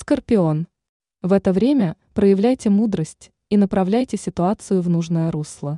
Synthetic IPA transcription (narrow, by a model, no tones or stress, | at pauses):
skərpʲɪo̞n | vɛt̪əvɾʲemʲə | pɾəjɪvlʲæjtʲɪmud̪ɾəsʲtʲ | inəpɾɐvlʲæjtʲɪsʲɪt̪ʊat̪sɨjʊvnuʐnəjəɾuslˠə